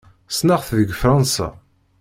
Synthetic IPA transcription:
snaʁθðəɡfɾˤɑnsa̰

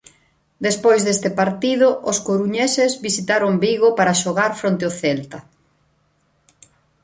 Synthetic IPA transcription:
d̪espojzðest̪ɪpaɾt̪iðʊʔʊskoɾuɲesezβisit̪aɾoŋbiɣopaɾaʃoɣaɾfɾont̪eoθɛlt̪ɐ

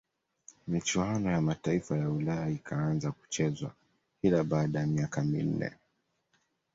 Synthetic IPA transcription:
mit͡ʃuanɔjamataifajaulajaikʰaanzaku̥t͡ʃɛzwa̰ | kilaɓaːɗajamiakamḭn̩nɛ̰

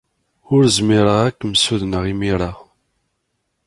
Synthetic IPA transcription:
ʊɾzmiɾˤəʁækʷːməsuðnəʁimiɾˤa

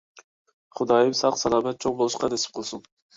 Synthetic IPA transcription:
χʊd̪ɑjimsɑqsɑlˠɑːbɛt̪̚t͡ʃʰoqbolˠʊʃqɑd̪esɪ̥p̚qʰolˠsʊn

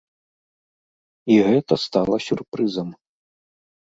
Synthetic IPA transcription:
iɣɛt̪ɐst̪alˠɐsʲurpɾɨzɐm

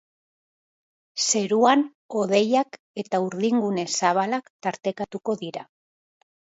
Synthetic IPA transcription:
se̞ɾuan | o̞ðe̞jak | e̞t̪auɾðiŋɡune̞saβ̞alakt̪aɾt̪e̞kat̪uko̞ðiɾa

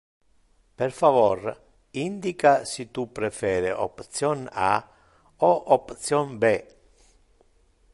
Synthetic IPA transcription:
perfavɔr | ind̪ikasit̪upɾefɛːɾeʔo̰pt̪sjɔna̰ | ɔʔopt̪sjɔnbe

